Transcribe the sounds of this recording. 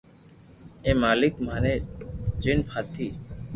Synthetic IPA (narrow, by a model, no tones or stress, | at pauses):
ẽːmaːlɪkmaːneːd͡ʒinpʰaːt̪ʰːiː